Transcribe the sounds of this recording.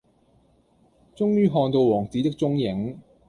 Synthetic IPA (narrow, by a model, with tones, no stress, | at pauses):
t͡sʊ˥ŋjyː˥ɦɔː˧ŋt̪o˧wɔː˨˩ŋt͡siː˨˥t̪ɪ˥k̚t͡sʊ˥ŋjɪ˨˥ŋ